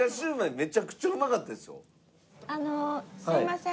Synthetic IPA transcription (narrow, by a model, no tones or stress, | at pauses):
aɕɨːmaeme̞t͡ɕakɯ̟̥t͡ɕoːɯmakat̪ːad̪esɨjo̰ | anosaimasẽ